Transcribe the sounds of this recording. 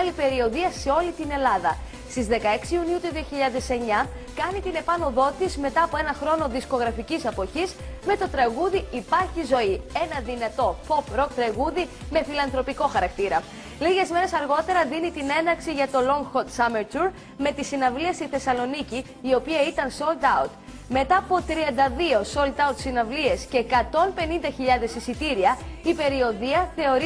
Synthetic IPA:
lipe̞ɾio̞ðiɐse̞o̞lit̪ine̞lɐðɐ̰ | st̪izðe̞kɐe̞ksiuniut̪uðio̞çiʎɐðe̞se̞ɲɐ | kɐnit̪ine̞pɐno̞ðo̞t̪izme̞t̪ɐːpo̞e̞nɐxɾo̞noðisko̞ɣɾɐficisɐpo̞çisme̞t̪o̞t̪ɾɐɣuðiipɐɾçizo̞ie̞nɐðinɐt̪o̞po̞pɾo̞kt̪ɾɐɣuðime̞filɐnθɾo̞piko̞xɐɾɐkt̪iɾɐ | liʝe̞zme̞ɾe̞sɐɾɣo̞t̪e̞ɾɐðinit̪ine̞nɐksiʝɐt̪o̞lo̞ŋɡxot̪sɐmeɾt̪uɾ | me̞t̪isinɐvliɐst̪iθe̞sɐlo̞niciː | o̞piɐit̪ɐnso̞lt̪ɐwt̪ | me̞t̪ɐːpo̞t̪ɾiɐnd̪ɐðio̞so̞lt̪ɐut̪sinɐvlie̞sceːkɐt̪o̞npe̞nind̪ɐçiʎɐðe̞sisit̪iɾiɐipe̞ɾio̞ðiɐθe̞o̞ɾi

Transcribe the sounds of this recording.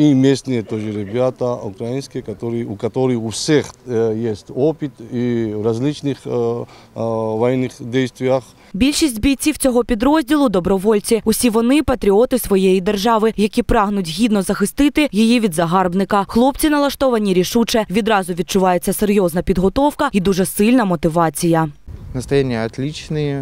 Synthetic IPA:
imʲesnɨjet̪oʐɨɾʲɪbʲat̪ɐʊkɾɐjinskʲɪjkɐt̪oɾɨjukɐt̪oɾɨjʊfsʲexjesʲtʲopʲit̪ivɾɐzʲlʲit͡ʃnɨx | vɐjɛnːɨxdʲejst̪vʲɪjax | bʲilʲʃisʲtʲbʲij̪t͡sʲiwt͡sʲɔɦɔpʲid̪ɾɔzʲdʲilˠʊd̪ɔbɾɔʋɔlʲt͡sʲiʊsʲiʋɔnɪpɐt̪ɾʲiɔt̪ɪsʋɔjejid̪erʒɑʋɪjɐkʲipɾɑɦnʊtʲɦʲid̪nɔzɐxɪst̪ɪt̪ɪjijiʋʲid̪zɐɦɑrbnɪkɐxlˠɔp̚t͡sʲinɐlˠɐʃt̪ɔʋɐnʲiɾʲiʃut͡ʃɛʋʲid̪ɾɑzʊʋʲid̪̚t͡ʃʊʋɑjet͡sʲːɐseɾʲjɔznɐpʲid̪ɦɔt̪ɔwkɐid̪uʐɛsɪlʲnɐmɔt̪ɪʋɑt͡sʲijɐnəst̪ɾɐjenʲɪjəɐt̪lʲit͡ʃnɨje

